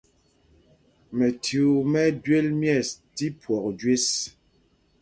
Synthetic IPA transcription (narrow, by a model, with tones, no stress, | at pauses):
mɛ˨tjo˨mɛ˦dɥe˦lmjɛ˦˨sti˦pwɔ˨k̚d͡ʒɥe˦s